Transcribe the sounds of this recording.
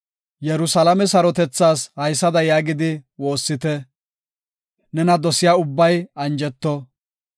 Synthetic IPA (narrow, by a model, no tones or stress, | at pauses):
jɛɾʊsɐlɐmɛsɐɾɔt̪ɛt͡sːaːshɐjsːɐd̪ɐjaːɡɪd̪ɪwo̞ːsːɪt̪ɛ | nɛnɐd̪ɔsɪjaːʊbːɐjɐnd͡ʒɛt̪ːɔ